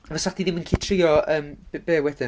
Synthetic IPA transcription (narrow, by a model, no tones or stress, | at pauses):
avəsaχd̥iðɪmənkʰɪtʰrɪjɔəːmbb̥eːwɛd̥ɪ